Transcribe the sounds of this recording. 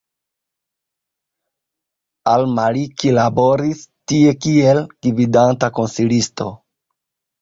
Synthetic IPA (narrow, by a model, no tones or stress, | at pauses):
almalikilabo̞ɾistie̞kie̞lɡ̥ividantako̞nsilisto̞